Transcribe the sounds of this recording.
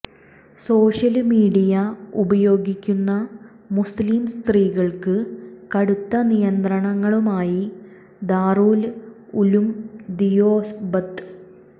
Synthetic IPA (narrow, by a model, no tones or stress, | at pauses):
so̞ːɕɐlmiːɽijɐubɐjo̞ːɡikʲːunːɐ | musliːmst̪riːɣɐɭkɨkɐɽut̪ːɐnijɐnd̪rɐɳɐŋːɐɭumaːji | d̪aːruːl | ulumd̪ijoːsbɐt̪ː